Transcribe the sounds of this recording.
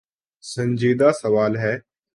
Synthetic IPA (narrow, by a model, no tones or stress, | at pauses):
sə̃nd͡ʒiːd̪aːsəʋaːlɦɛː